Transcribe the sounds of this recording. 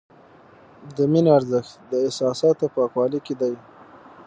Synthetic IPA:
d̪əminoaɾzɪxt̪d̪əɪsɑsɑːt̪opɑkwɑliked̪aj

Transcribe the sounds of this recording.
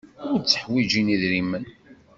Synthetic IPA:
ʊɾt͡sːə̥ħwid͡ʒiniðɾimən

